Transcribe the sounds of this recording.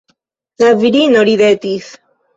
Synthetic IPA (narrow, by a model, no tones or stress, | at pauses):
zaviɾinoɾiðet̪is